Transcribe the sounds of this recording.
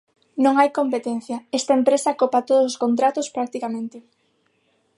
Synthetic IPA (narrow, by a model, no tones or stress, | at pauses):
nõŋajkompet̪en̟θjɐest̪ɐempɾesɐkopɐt̪oðososkont̪ɾat̪ospɾak̚t̪ikamẽnt̪e